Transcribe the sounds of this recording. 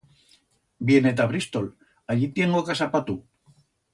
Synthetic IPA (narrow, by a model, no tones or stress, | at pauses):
bjenet̪aβɾist̪ol | aʎit̪jenokasapat̪u